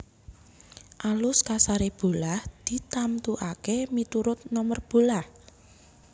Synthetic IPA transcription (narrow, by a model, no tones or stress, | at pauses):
ʔalʊskasaɾeb̥o̤lahd̪̥i̤t̪amt̪uʔakemit̪uɾʊt̪̚nɔmərb̥o̤lah